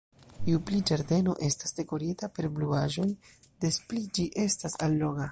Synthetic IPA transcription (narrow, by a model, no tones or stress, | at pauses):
iuplid͡ʒaɾde̞no̞̰ʔe̞stasde̞ko̞ɾitape̞ɾbluaʒo̞j | de̞splid͡ʒiʔe̞stasalːo̞ɡa